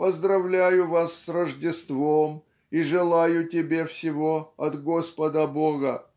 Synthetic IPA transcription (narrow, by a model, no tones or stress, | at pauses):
pəzd̪ɾɐvlʲæjʊvasːrəʐdʲɪst̪vom | iʐɨlˠajʊtʲɪbʲe̞fsʲɪvoɐt̪ɡo̞spəd̪əboɣə